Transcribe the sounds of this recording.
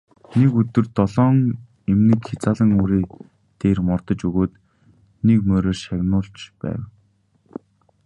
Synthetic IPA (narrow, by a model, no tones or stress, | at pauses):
nekɵt̪ɵ̆rt̪ɔɮɔːŋ | emnĭːkxet͡saːɮə̆ŋuːɾiː | t̪eːrmɔrt̪ə̆t͡ɕɵɣoːt̪ | nekmœːɾoːrʃaɣnʊːɬt͡ɕpæ̰ːw